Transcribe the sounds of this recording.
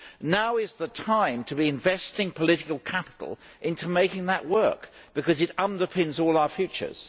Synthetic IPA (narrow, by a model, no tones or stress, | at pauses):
naʊɪzðətʰãɪ̃mtʰəbiɨ̃ɱvɛstɪ̃ŋpʰəlɪɾɪkəl̩ˠkʰæpə̥ɾˡl̩ˠ | ʔɪ̃ntʰumeɪkɪ̃ŋðəʔwɜ˞k | b̥ɨkʌzɨɾʌ̃ndəpʰɪ̃nzɔlˠaʊə˞fjʉˑt͡ʃə̰˞z̥